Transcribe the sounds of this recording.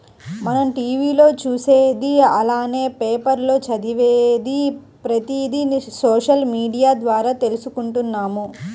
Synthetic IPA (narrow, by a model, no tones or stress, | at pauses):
mɐnɐmʈiːʋiːlo̞ːt͡ʃuːseːd̪iɐlaːne̞ːpeːpɐɾlo̞ːt͡ʃɐd̪iʋeːd̪i | pɾɐt̪iːd̪isoːʂɐlmiːɖijaːd̪ʋaːɾaːt̪e̞lusukuɳʈunːaːmu